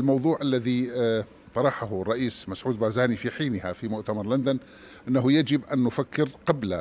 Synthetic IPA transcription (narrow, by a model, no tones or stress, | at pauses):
lmɑwðˤuːʕʔalːaði | t̪ˤɑɾˤɑħaɦʊrˤːɑʔiːsmasʕuːd̪̚bɑɾˤzaːnifiħiːnɪhafimʊʔt̪amɑɾˤland̪an | ʔɪnːaɦʊjad͡ʒɪbʔanːʊfakːɪɾqɑbla̰